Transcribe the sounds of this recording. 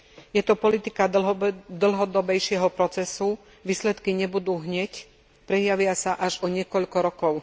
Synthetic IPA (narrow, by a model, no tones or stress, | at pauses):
jɛt̪ɔpɔlit̪ikad̪l̩ɦɔd̪ɔbɛjʃɪɛɦɔpɾɔt͡sɛsu | ʋiːslɛt̪kiɲɛbud̪uːɦɲɛc | pɾɛjaʋɪasaʔaʒɔɲɪɛkɔʎkɔɾɔkɔʊ